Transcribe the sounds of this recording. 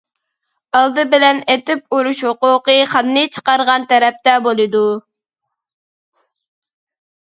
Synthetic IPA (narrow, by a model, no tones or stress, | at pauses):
ɑlˠd̪ɨbɪlɛnet̪ɪp̚uɾuʃhoqʊqəχɑnːɨt͡ʃʰə̥qɑɾʁɑnt̪ʰɛɾɛp̚t̪ɛbolˠɨd̪u